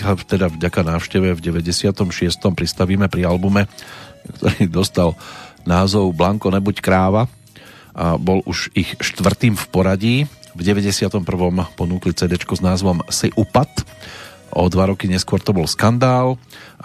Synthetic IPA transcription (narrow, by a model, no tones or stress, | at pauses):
t̪ɛd̪avɟakanaːʊʃcɛʋɛvɟɛʋɛɟɛsɪat̪ɔmʃɪɛst̪ɔmpɾist̪aʋiːmɛpɾialbumɛkt̪ɔɾiːd̪ɔst̪alnaːzɔʊblaŋkɔnɛbuckɾaːʋa | ʔabɔlʔuʃixʃt̪ʋr̩t̪iːmfpɔɾaɟiːvɟɛʋɛɟɛsɪat̪ɔmpr̩ʋɔmpɔnuːklit͡sɛːd̪ɛt͡ʃkɔznaːzʋɔmsɛʔupat̪ | ʔɔ̰d̪ʋaɾɔkiɲɛskʊɔɾt̪ɔbɔlskand̪aːl